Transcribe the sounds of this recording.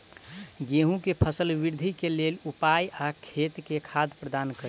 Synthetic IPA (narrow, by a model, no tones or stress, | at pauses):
ɡeɦũkepʰəsəlbiɾd̪ʱikelelupajakʰet̪kekʰad̪pɾəd̪ankəɾ